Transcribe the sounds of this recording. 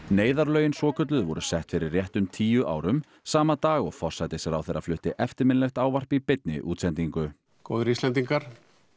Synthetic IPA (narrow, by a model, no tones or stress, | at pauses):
neːjðaɾlœːɥjɪnsɔːkʰœt̪̬lʏðvɔ̰ɾʏsɛht̪fɪɾɪrːjɛht̪ʏmt̪ʰiːjʏʔa̰ːwɾʏm | saːmat̪aːɣɔɣfɔr̥sajt̪ɪsjɛɾa̰wθejɾːa̰flʏht̪ɪʔɛft̪ɪɾmɪnlɛxt̪aːwvar̥pipɪt̪̚nɪ̰ʔṵːt̪sɛnt̪iŋkʏ | kowðɾist̪lɛnt̪iŋkaɾ̥